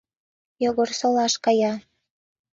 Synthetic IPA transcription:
joɣorsolˠɑʃkɑjɑ

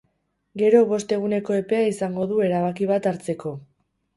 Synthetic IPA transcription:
ɡe̞ɾo̞β̞o̞st̪e̞ɣ̞une̞ko̞e̞pe̞aisaŋɡo̞ðue̞ɾaβ̞akiβ̞at̪aɾt͡se̞ko̞

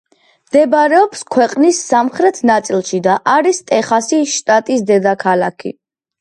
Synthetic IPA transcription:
md̪̥ɛbɾɛɔpskʰwɛqʼnisːamχɾɛt̪ʰnat̪sʼilˠʃid̪aʔaɾist̪ʼɛχasiʃt̪ʼat̪ʼisd̪ɛd̪akʰalakʰḭ

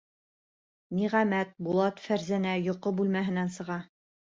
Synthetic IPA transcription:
miʁæmæt̪̚bulˠɑt̪fæɾzænæjŏqobʉlmæɦɘ̆nænsɤ̆ʁɑ

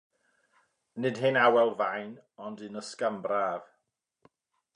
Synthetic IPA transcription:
nɨdɦɪnawɛlˠvajnɔndɨnəskambraːv

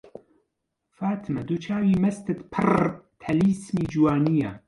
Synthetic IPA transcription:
faːt̪ʰmɐd̪ut͡ʃʰaːwiːmɐst̪ɨt̪pʰɨrt̪ʰɐliːsmiːd͡ʒuwaːnija

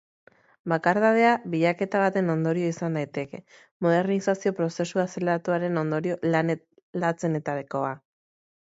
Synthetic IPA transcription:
bakaɾðað̞e̞aβiʎake̞t̪aβ̞at̪e̞no̞nd̪o̞ɾio̞isand̪ajt̪e̞ke | mo̞ðe̞ɾnisasio̞pɾo̞se̞suase̞leɾat̪uaɾe̞no̞nd̪o̞ɾio̞ln | lat͡se̞ne̞t̪aɾiko̞a

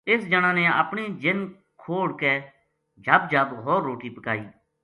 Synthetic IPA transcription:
ɪsd͡ʒəɽ̃ãːnɛ̃ə̰pɽ̃iːd͡ʒɪn | kʰoːɽkɛː | d͡ʒʱəbd͡ʒʱəbɦoːɾːoːʈiːpəkaːḭː

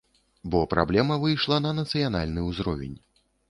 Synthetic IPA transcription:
bɔpɾʔa̰blʲɛmɐvɨjʂlˠɐnɐnɐt̪sɨjan̪a̰lʲnɨuzɾɔvʲɛ̰nʲ

